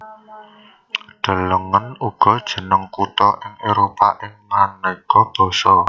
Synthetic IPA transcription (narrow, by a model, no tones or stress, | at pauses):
ɖ̥ə̤ləŋənuɡ̥ɔ̤d̥ʒ̥ə̤nəŋkut̪ɔʔɪŋeɾopaʔɪŋmanekɔb̥ɔ̤sɔ